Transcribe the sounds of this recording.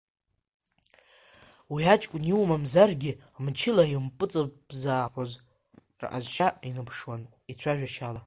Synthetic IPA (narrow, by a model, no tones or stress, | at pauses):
wiat͡ʃʼkʷʼʊniwmamzarɡʲɪ | mt͡ʃʰɪlajimpʼɨt͡sʼɨbzaːħʷoz | r̰ʔa̰zt͡ʃʰainɨpʰʂwan | it͡sʷʰaʒᶣaʃala